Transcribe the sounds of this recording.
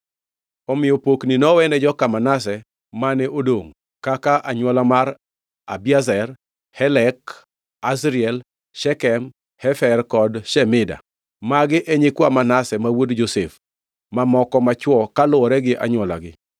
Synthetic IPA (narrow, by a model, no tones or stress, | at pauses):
ɔmɪjɔpokninɔwɛnɛd͡ʒɔkamanasɛ | manɛʔodoŋ | kakaʔaɲwɔlamaɾ | a̰bjazɛr | hɛlɛk | asɾɪɛl | ʃɛkɛm | hɛfɛrkɔdʃɛmɪda̰ | maɡɪʔɛɲɪkwamanasɛmawodd͡ʒosef | mamɔkɔmat͡ʃwɔkalʊɔɾɛɡɪʔa̰ɲwɔla̰ɡɪ̰